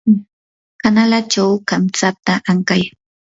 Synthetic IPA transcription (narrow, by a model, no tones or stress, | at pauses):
kanalat͡ʃawkamt͡sat̪aʔaŋkaj